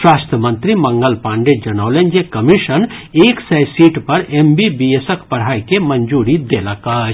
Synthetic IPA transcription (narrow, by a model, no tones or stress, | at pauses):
ʃwaːst̪ʰjəmə̃nt̪ɾimɐ̃ŋɡəlpãːɳɖed͡ʒɐnaʋlenjekəmiʃəneːksɐjsiːʈpɐɾembibiesəkpɐɽ̤aːikemɐnd͡ʒuːɾid̪eːləkaɦ